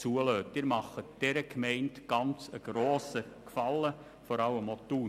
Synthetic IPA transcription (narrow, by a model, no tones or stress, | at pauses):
t͡suəløːtɪɾmɑχətd̥ɛɾəkʰmɛɪntɡ̥ɑnt͡səɡ̥ɾoːsəkfɑlːə | fɔɾɑwəmɔt̪uː